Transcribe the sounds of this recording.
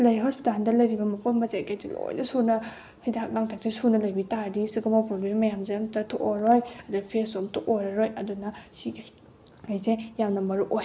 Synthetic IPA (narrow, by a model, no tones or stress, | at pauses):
lɐjɦɔɾspʰudʱandɐlɐjɾibɐmɐpʰonmɐzeketilo̰jnɐsunɐ | hʰidak̚naŋtʰak̚tesunɐlɐjbitaɾdisiɡumawpɾoɡɾemːɐjamzemtɐtʰoʔoɾojɐdupʰesomtʰuʔojɾɐɾojɐdunɐsiɡ | kajzejawnɐmɐɾuʔoj